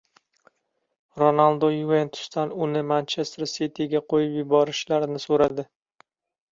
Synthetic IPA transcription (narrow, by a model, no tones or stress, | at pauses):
ɾonalˠd̪ojvent̪ʰʊ̥st̪anʊnɪmant͡ʃʰest̪ɾset̪ʰiɡʲaqʰojɪpjɪbɒɾɪʃlaɾnɪsoɾad̪ɪ